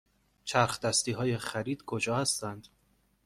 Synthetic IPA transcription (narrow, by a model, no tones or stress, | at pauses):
t͡ʃʰæɾxd̪æst̪iːɦɒːjeχæɾiːd̪̥kʰod͡ʒɒːhæst̪ænd̪̥